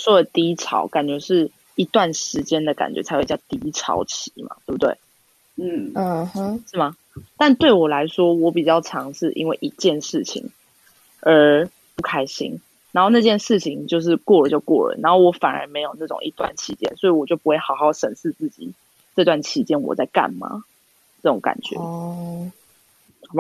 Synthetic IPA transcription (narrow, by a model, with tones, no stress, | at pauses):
ʂwɔ˥də˨˩t̪i˧˥ʈ͡ʂʰɑ̰˨˧˦ʊka˨˩nt͡ɕɥɛ˧˥ʂɻ̩˥˩ | i˧˥t̪wa˥˩nʂɻ̩˧˥t͡ɕjɛ˦nd̪ə˨ka̰˨nt͡ɕɥɛ̰˧˥t͡sʰa˧˥xwt͡ɕɑ˥˩t̪i˧˥ʈ͡ʂʰɑ̰˧˥ʊt͡ɕʰi̥˨˧˦ma̰˨t̪we˥˩bu˧˩t̪wḛ˥˩ɪ | n̩˥˩˨ | ʂɻ̩˥˩mɐ˨˩ | t̪a˥˧nt̪we˥˩ɪwɔ˨˩la˧˦˥ɪʂwɔ˥wɔ˧˦˥pi˨˩t͡ɕjɑ˥˩ʊʈ͡ʂʰɑ˧˥ŋʂɻ̩˥˩ʔḭ˥nwe˥˩ɪʔi˧˥t͡ɕjɛ˥˨nʂɻ̩˥˩t͡ɕʰḭ˨˩˦ŋ | ə˞˧˥ | pu˥˩kʰa˥ɪɕḭ˥ŋ | na˨˥nxo˥˧na˥˧t͡ɕjɛ˥˧nʂɻ̩˥˩t͡ɕʰi˨˦ŋt͡ɕjo˥˧ʊʂ̬ɻ̩˥˧kwɔ˥˩lə˨˩t͡ɕjo˥˧ʊkwɔ̰˥˩lə̰˩na˧nxo˥˩ʊwɔ˧˥fa˨˩nə̰˧˥me˧ɪjo˨˩ʊna˥˩ʈ͡ʂo̰ʊ˨˩ŋi˦˥t̪wa̰˥˨nt͡ɕʰi˧˥t͡ɕjɛ̰˦nswɔ˧˥i˨˩wɔ˨˩t͡ɕjo˥˩ʊpu˧˥we˥˩ɪxɑ˨˩ʊxɑ˥˩ʊʂə˨˩nʂɹ̩˥˧t͡sɹ̩˥˩t͡ɕḭ˨˩ | ʈ͡ʂɤ˥˧t̪wa˥˩nt͡ɕʰi˧˥t͡ɕjɛ˥nwɔ̰˨˩t͡sa˥˧ɪka̰˥˨˩nma̰˩˦ | ʈ͡ʂɤ˥˩ʈ͡ʂʊ̰˨˦ŋka̰˨˩nt͡ɕɥɛ̰˨˧˦ | b